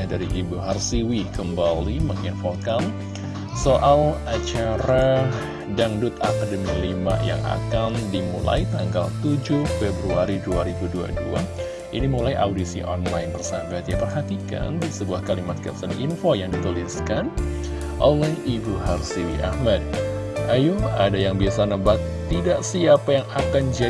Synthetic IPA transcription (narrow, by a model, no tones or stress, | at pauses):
adaɾiʔibuɦarsiwikəmbaliməŋinfokan | soʔalat͡ʃaɾa | daŋdʊt̪akadəmilima̰ʔja̰ŋa̰kandimṵla̰jt̪aŋɡalt̪ud͡ʒʊfebɾuaɾiduaɾibudua̰dua̰ | ʔinimulajʔa̰wdisḭʔɔ̰nlajnbərsabat̪diapərɦat̪ika̰ndisəbuahkalimat̪̚kɛ̰p̚sənʔinfojaŋdit̪uliskan | ʔolɛhibuɦarsiwḭʔa̰hmad̚ajua̰dajaŋbiasanəbat̪ | t̪ːidaʔsiapajaŋakand͡ʒa